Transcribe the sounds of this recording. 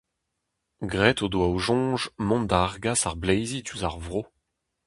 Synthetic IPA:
ɡʁɛt̪od̪waoʒɔ̃ːʒmɔ̃nd̪aaʁɡasaʁblejzit̪yzaʁvʁo

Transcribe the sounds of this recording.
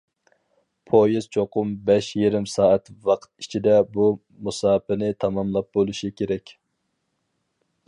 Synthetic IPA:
pʰojiz̥t͡ʃʰoqʊmbɛʃjeɾɪmsɑːæt̪wɑqʰt̪it͡ʃʰid̪ɛbu | musɑːpɨnɪt̪ʰɑmɑmlˠɑp̚bolˠuʃikʲʰeɾɛkʲ

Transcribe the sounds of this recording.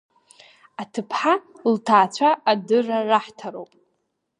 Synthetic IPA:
atʰɨpʰħa | ltʰaːt͡ɕʷʰaʔadɨraraħtʰaɾowpʼ

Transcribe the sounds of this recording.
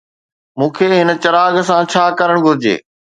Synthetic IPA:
mũːkʰeːɦɪnə̆t͡ɕɐɾaːɡsãt͡ɕʰaːkɐɾəɽ̃ɡʱʊɾɪd͡ʑḛː

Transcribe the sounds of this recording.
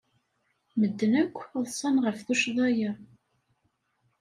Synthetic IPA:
məd̪ːənækʷːðˤsˤːɑnʁəfθuʃðˤɑjæ

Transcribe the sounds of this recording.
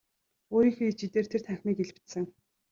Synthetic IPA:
oːɾiːxĕit͡ɕit̪eːrt̪ʰer̥t̪ʰæŋxʲmiːkeɮɘ̆pt̪sɘ̆ŋ

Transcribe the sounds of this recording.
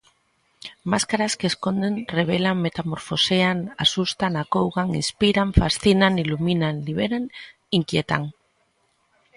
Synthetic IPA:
maskaɾaskeskond̪enreβ̞elaŋmet̪amo̞ɾfo̞seanasust̪anakowɣaŋḭnspiɾaɱfasθinaŋiluminaŋliβ̞eɾan | iŋkjet̪a̰ŋ

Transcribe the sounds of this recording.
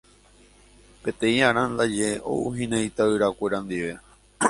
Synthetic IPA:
pe̞t̪ẽ̞ĩaɾãnd̪ad͡ʒe̞ʔo̰uɦĩnãjt̪aɨɾakʷe̞ɾãnd̪iʋe̞

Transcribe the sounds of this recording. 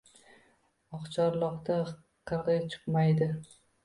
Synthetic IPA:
ɒqt͡ʃʰɒɾlˠɒqt̪a | qʰɨɾʁɑjt͡ʃʰɨ̥qmajd̪ɪ

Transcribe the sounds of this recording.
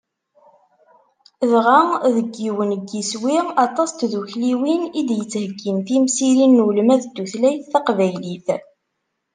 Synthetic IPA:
ðʁaðəɡːiwənəɡːiswiʁɑt̪ˤɑst̪ðuçliwinid̪jət͡sːhəɡːimθimsiɾinːuləmæðəd̪ːuθlæjθːɑqvæjliθ

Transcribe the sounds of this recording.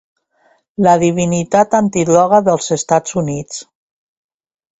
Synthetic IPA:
ləðiβ̞init̪at̪ant̪ilɔɣəðəlˠzəst̪azunit͡s

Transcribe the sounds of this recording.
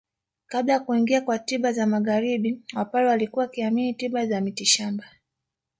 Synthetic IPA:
kaɓlajakuiŋɡiakwatiɓazamaɣaɾiɓiwapalɛwalikuwakiaminitiɓazamitiʃamba

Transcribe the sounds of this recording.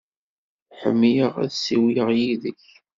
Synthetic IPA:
ħə̰mːijəʁæ̰ðsiwiəʁjiðəç

